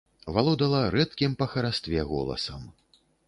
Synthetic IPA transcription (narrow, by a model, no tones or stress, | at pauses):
valˠɔd̪ɐlˠɐɾɛt̪kʲimpɐxɐɾast̪vʲɛɣɔ̰lˠɐ̰sɐ̰m